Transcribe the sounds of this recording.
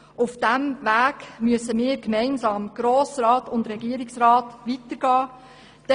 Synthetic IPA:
ufd̥æmvæːɡmyəsəmɪːɾkmɛɪnsɑːmɡ̥ɾoːsrɑːtʊndɾɛɡiəɾɪksrɑːtʋitəɾɡ̥ɑː | d̥ɛ

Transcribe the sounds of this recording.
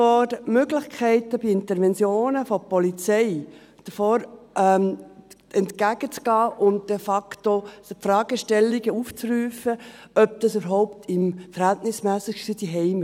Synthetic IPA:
ɔtmøɡlɪχkʰɛɪtəbiɪntəɾʋɛnt͡sjoːnəfɔpɔlit͡sɛɪ | d̥əfɔːɾɛm | ɛntkæɡ̥ət͡sɡ̥ɑːʔʊnt̚d̥ɛfɑktopfɾɑːɡ̥əʃtɛlːiɡəuft͡sryːfəœp̚d̥ɑsybəɾɦɔʊp̚tʰɪmfəɾhæltnɪsmɛːsɪksid̥iɦɛɪm

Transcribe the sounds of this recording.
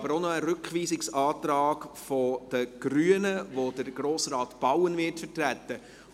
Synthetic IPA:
bəɾonɔaɾɵkχʋiːsɪksɑːtɾɑːɡfɔd̥əɡ̥ɾyːənəvod̥əɾɡ̥ɾoːsrɑːtb̥awənvɪtfətrætə

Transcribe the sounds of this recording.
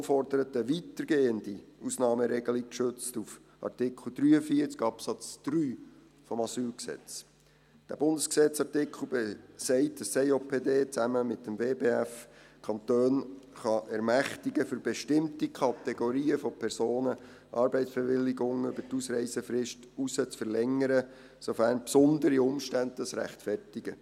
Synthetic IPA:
fɔrdəɾət̪əʋit̪əɾɡeːəndiusnɑːməɾɛɡəlikkʃøt͡stuf | ʔɑ̰rtɪkʰl̩ˠd̥ɾyːəfiːət͡skɑpsɑt͡sd̥ryː | fɔmɑsyːlksɛ̰t͡s | d̥æ̰b̥ʊnd̥əsksɛt͡sɑrtɪkʰl̩besɛɪtəsɛɪoːpʰeːdeːt͡sæməmɪtːəmveːbeːæfkʰɑnt̪øːnχɑʔɛɾmæχtiɡəfʏɾb̥ɛʃtɪmtikʰɑtɛɡoɾiːəfɔpʰɛɾsoːnə | ʔɑːɾbɛɪtsb̥ɛʋɪlɪɡʊŋʏbəɾtusɾɛɪsəfɾɪʃt | usət͡sfəɾlɛŋəɾə | sofæːɾnpsʊnd̪əɾiʊmʃtændɑsɾæ̰χtfɛrtɪɡ̥ə

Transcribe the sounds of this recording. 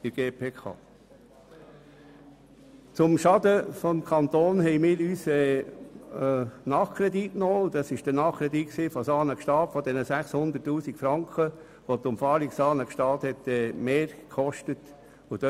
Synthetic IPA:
ɪɡ̥eːpʰeːkʰɑ̰ː | t͡sʊmʃɑd̥̪əfɔmkʰɑnt̪oːnhɛɪmɪːɾyːsɛ | nɑːχkʰɾɛd̪itnoːd̥̪ɑsɪʃd̥ənɑːχkʰɾɛd̪itksiːfɔsɑːnəkʃtɑːtfɔd̪ɛnəsæχshʊnd̪ətːuːsikfɾɑŋkʰχə | ʋotʊmfɑːɾiksɑːnəkʃtɑːthɛtɛmeːɾkʰɔʃtət | ʊd̥ø

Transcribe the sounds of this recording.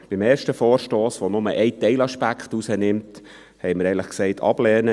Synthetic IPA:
b̥imeːrʃtəfɔːɾʃtoːsʋonʊməʔɛɪtɛɪlɑʃpækχtusənɪmt | hɛɪməɾɛɪŋləχksɛɪtʰɑ̰b̥lɛːnə

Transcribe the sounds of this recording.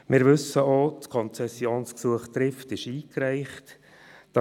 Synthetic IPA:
mʔɪɾʋɵsəotkʰɔnt͡sɛsːjoːnsksuəχt̪ɾɪftɪʃiːkɾæɪχt | d̥ɑ

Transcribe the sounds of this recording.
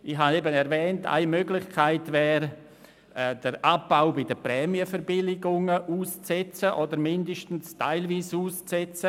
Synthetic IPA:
ɪχhanebənɛɾvɛːntʰa̰ɪmøɡlɪχkʰaɪtvɛːɾ | ɛd̥əɾʔab̚ːaʊbɪdəpɾɛːmiəfəɾbɪlɪɡʊŋəʔuːst͡sɛt͡səʔodəɾmɪndəʃtn̩stʰaɪlviːsuːst͡sɛt͡sə

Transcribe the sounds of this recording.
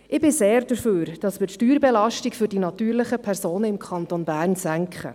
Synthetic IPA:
ʔɪbɪseːɾd̥əɾføːɾd̥ɑsmɪtʃtyːɾbɛlɑʃtikfʏɾdinɑt̪yːɾlɪχəpʰɛɾsoːnəɪmkʰɑnt̪onbæːrnsæŋkχə̰

